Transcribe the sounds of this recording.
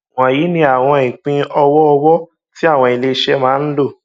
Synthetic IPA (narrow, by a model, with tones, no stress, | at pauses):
wɔ̃˨ji˨˦nĩ˧˦a˨w̃ɔ̃˧i˨k͡pĩ˧ɔ˧wɔ˦ɔ˧wɔ˦ | ti˦a˦˨w̃ɔ̃˧i˧le˧ʃɛ˦mãː˦n̩˦lo˦˨